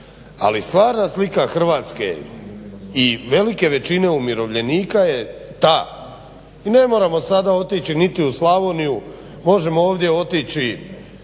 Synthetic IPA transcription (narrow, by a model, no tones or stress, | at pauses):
a̰list̪ʋaːɾnaslikaxr̩ʋaːt̪ske̞̰ | iʋe̞like̞ʋe̞t͡ɕine̞umjiɾo̞ʋʎe̞niːkaje̞t̪aː | ine̞mo̞ːɾamo̞sad̪ao̞t̪it͡ɕinit̪iuslaʋo̞niju | mo̞ʒe̞moo̞ːʋd̪je̞o̞t̪it͡ɕi